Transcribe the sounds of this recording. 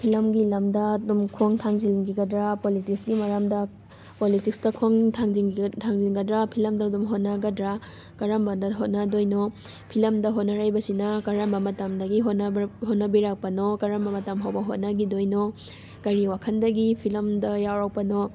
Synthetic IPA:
pʰilɐmɡilɐmdɐdumkʰoŋtʰaŋziliŋɡiɡɐdɾapolitiksɡimaɾamdɐ | politikstɐkʰoŋtʰaŋziŋtʰaŋziŋɡɐdɾapʰilɐmdɐdumɦot̚naɡɐdɾa | kɐɾɐmbɐdɐɦot̚nadojno | pʰilɐmdɐɦot̚nɐɾajbɐsinɐkɐɾambɐmɐtamdɐɡiɦotnhotnːɐbiɾak̚pɐnokɐɾɐmbɐmɐtamɦawbɐɦot̚nɐɡidojno | kɐɾiwakʰɐndɐɡipʰilɐmdɐjawɾawpɐno

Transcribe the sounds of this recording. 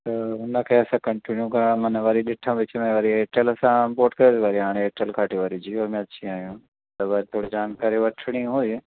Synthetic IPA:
t̪ɐɦʊnakʰeɐsãkɐɳʈinjukɐɾmɐnʋaɾiɗɪʈʰːãʋɪt͡ʃmẽʋɐɾieːʈəlɐsãmpoːʈkɐɾiːd̪iʋaːɾiaːɽ̃ẽeːʈəlkʰaːʈiʋaːɾid͡ʒiːoːmẽɐtːʃʰĩaːjũ | t̪ɐʋaɾit̪ʰoːɽid͡ʒaːnkaːɾiʋɐʈʰɽ̃ĩɦũ

